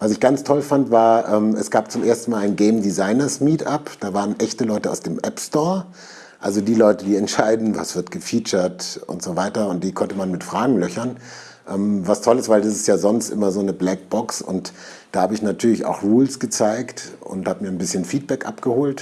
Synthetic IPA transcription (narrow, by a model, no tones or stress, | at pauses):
vasɪçɡ̥ant͡stʰɔlfantv̥aːɐʔɛːmɛsɡ̥aːp̚t͡sʊmʔeːɐstn̩maːlaɪnɡɛɪmdizaɪnɐsmiːtapd̥aːvaːʁənʔɛçtəlɔʏtəa̰ʊsd̥eːmʔɛpstɔːɐ | ʔalzodiːlɔʏtədiːɛntʃaɪdn̩va̰sv̥ɪɐt̚ɡ̥əfiːt͡ʃɐtʊ̰ntz̥ovaɪtɐʊntd̥iːkʰɔntəmanmɪtfʁ̥aːɡŋ̩lœçɐn | ʔɛːmvastʰɔlɪstv̥aɪldas̬ɪstjaːzɔnstʔɪ̰mɐzoːnəblɛk̚b̥ɔksʊ̰ntd̥aːhaːbəɪçnatʰyːɐlɪça̰ʊxʁuːlsɡ̥ət͡saɪktʊ̰nthaːbəmiːɐnbɪsçənfiːt̚b̥ɛkʔapɡ̥əhoːlt